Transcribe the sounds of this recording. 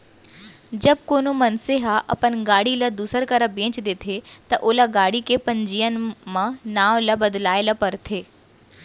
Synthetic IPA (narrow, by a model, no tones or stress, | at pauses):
d͡ʑɐb̚koːnumɐnseɦaʔɐ̰pənɡaːɽilɐd̪uːsəɾkɐɾəbẽːt͡ʃd̪eːt̪ʰet̪ɐʔoːlaɡaːɽikepɐ̃ɲd͡ʑijənɪ̆mãnaːʋlɐbɐd̪laːɪləpɐɾt̪ʰeː